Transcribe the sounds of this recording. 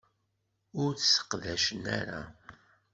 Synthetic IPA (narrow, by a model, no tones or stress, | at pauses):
ʊɾθsə̥qðæʃənæ̰ɾa̰